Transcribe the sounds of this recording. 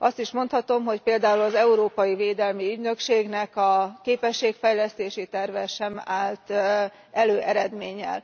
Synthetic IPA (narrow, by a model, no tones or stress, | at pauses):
ʔɒst̪iʃmo̞nt̪hɒt̪o̞mɦo̞cpeːld̪aːulɒzɛuɾoːpɒjiveːd̪ɛlmiyɟnøkʃeːɡnɛkɒkeːpɛʃːeːkfɛjlɛst̪eːʃit̪ɛrvɛʃɛmaːlt̪ | ɛløːʔɛɾɛd̪meːɲːɛ̰l